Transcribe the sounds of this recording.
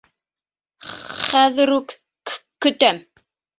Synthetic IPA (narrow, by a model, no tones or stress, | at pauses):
χæðɨɾuk | kːɵt̪æm